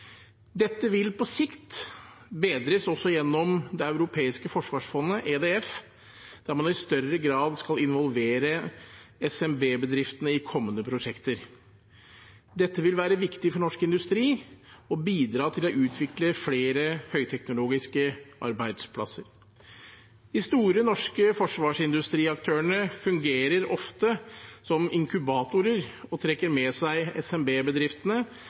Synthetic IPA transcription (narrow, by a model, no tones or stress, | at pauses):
d̪ɛt̪ːəʋɪlpɔsɪkt̪ | beːd̪ɾəsɔsːɔjɛnːɔmd̪ɛɑʉɾʊpʰeːɪskəfɔʂʋɑːʂfɔnːəʔeːd̪ɛːɛf | d̪̥æɾmɑnɪst̪œrːəɡɾɑːd̪skɑlɪnʋɔlʋeːɾəɛsɛmbeːbəd̪ɾɪft̪ənəɪkʰɔmːənəpʰɾʊʂɛkt̪əɾ | d̪ɛt̪ːəʋɪlʋæːɾəʋɪkt̪ɪfɔɳɔʂkɪnd̪ʉst̪ɾiːɔbiːd̪ɾɑːt̪ʰɪlɔʔʉːt̪ʰʋɪkləfleːɾəhœʏt̪ʰɛknʊloːɡɪskəʔɑ̰ɾbæɪd̪spʰlɑ̰səɾ | d̪̥ɪst̪uːɾənɔʂkəfɔʂʋɑːʂɪnd̪ʉst̪ɾiːɑkt̪ʰøːəɳəfʉŋɡeːɾəɾɔft̪əsɔmɪŋkʉbɑːt̪ʊɾəɾɔt̪ʰɾɛkːəɾmɛsæɪɛsɛmbeːbəd̪ɾɪft̪ənə